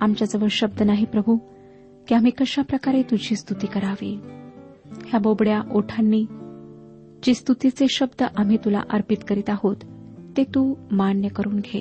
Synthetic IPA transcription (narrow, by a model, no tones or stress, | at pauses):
amt͡ɕjad͡zəʋəɭɕəb̚d̪ənaɦipɾəbʱu | kiam̤iːkəɕapɾəkaɾet̪ud͡ʑʱiːst̪ut̪iːkəɾaʋe | hjabobɽjaʔoʈʰanːiː | d͡ʑist̪ut̪it͡seɕəbd̪əʔam̤it̪ula̰ʔəɾpit̪kəɾit̪aɦot̪ːet̪uːmanjəkəɾuːnɡʱe